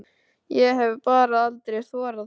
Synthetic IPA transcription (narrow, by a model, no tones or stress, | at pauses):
jɛɦɛvpaːɾaalt̪ɾejθɔːɾað